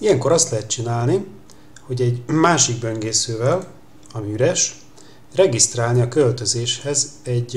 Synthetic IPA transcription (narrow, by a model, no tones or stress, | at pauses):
ijɛŋko̞ɾɒst̪lɛɦɛt̪̚t͡ʃinaːlni | ho̞ɟɛɟmaːʃiɡ̚bø̞ŋɡeːsøːvɛl | ɒmiyɾɛʃ | rɛɡist̪raːlniɒkølt̪ø̞zeːʃhɛzɛɟ